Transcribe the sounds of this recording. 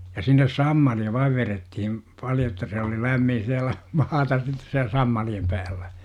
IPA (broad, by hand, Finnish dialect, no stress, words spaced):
jɑ sinːes sɑmːɑliɑ ʋɑiʋ ʋeretːihim pɑljo etːæ se oli læmːin̞ siælæ mɑːtɑs sitːe siæl sɑmːɑliem pæːlːæ